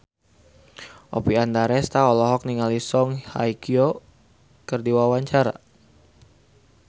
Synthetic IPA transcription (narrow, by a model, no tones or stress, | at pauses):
ʔɔpiandaɾɛst̪aɔlɔɦɔk̚niŋalisɔŋhajkio | kərdiwawaɲt͡ʃaɾa̰